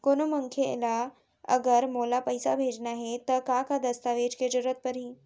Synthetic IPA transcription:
konoməŋkʰjela | ə̰ɡəɾmolapəjsabʱed͡ʒnaɦet̪əkakad̪əst̪aʋed͡ʒked͡ʑəɾət̪̚pəɾĩː

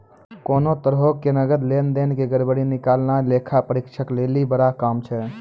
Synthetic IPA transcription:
konot̪əɾɦokːenəɡəd̪lend̪enkeɡəɾbəɽinikalnalekʰapəɾikt͡ʃʰəklelibəɽakamt͡ʃʰɛ

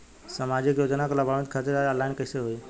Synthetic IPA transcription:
səmaːd͡ʒɪkjoːd͡ʒnaklabʱaʋɪt̪kʰat̪iɾaəlaɪnkəɪseɦoi

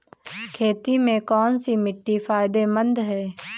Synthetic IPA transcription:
kʰeːt̪imẽkɔːnsimɪʈːifaːɪd̪emə̃nd̪ɦɛː

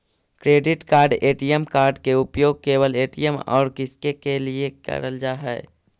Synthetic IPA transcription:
kɾeːɖɪʈkaːɾɖeːʈijəmkaːɾɖkeʊpjoːɡ̚keːwəleːʈijəmɔ̰ːɾkɪskekeliekə̰ɾəld͡ʒaːɦɛ̰ː

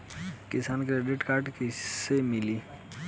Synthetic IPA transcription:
kɪsaːnkeɖeʈkaːɾʈkisemɪliː

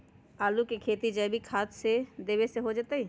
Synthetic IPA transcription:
aːlukekʰeːt̪id͡ʒəːbʱikʰaːt̪sed̪eːbeseɦod͡ʒat̪əi

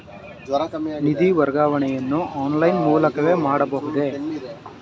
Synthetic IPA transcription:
nid̪iʋɐɾɡaːʋɐɳɛjɐnːuʔaːnlɐjnmuːlɐkɐʋe̞ːmaːɽɐbɐɦud̪e̞

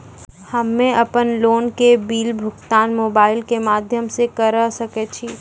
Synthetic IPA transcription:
hɐmːẽʔɐpənloːnkebiːlbʱʊkt̪aːnmoːbaːɪlkemaːd̪ʱjəmsekɐɾəsɐket͡ʃʰiː

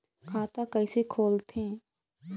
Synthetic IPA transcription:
kʰaːt̪ãkəisekʰoːlt̪ẽː

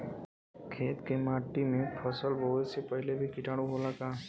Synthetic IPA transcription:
kʰeːt̪kemaːʈːimẽpʰəsəlbəɦʊt̪sepəɦɪlebʱikɪʈaːɽũɦolakaː

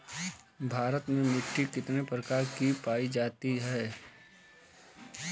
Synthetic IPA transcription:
bʱaːɾət̪mẽmɪʈʰːikɪt̪nepɾɐkaːɾkipaːid͡ʒaːt̪iɦɛː

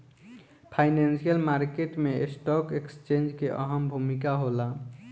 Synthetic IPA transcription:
pʰaɪnensijəlmaɾkeʈmeesʈɔkekst͡ʃẽnd͡ʒkeʔə̰ɦəmbʱumikaɦola

